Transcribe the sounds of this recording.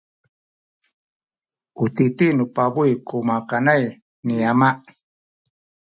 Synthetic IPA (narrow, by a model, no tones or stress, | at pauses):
ut̪it̪inupabuikʰumakanaj | niamaʔ